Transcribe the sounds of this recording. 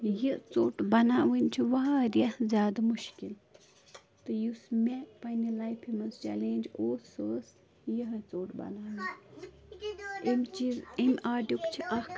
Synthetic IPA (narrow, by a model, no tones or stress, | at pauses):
jit͡soːʈbɐnaːʋɨnʲt͡ʃʰiʋaːɾjɐzʲjaːd̪ɐmuʃkil | t̪ɨjusmʲekpɐnilajpʰimɐst͡ʃɛ̰lẽːnʲd͡ʒoːsəːs | jiɦɐt͡soːʈbɐ̰naːʋɨn | emʲt͡ʃizemʲʔaːɖukt͡ʃʰiʔɐhk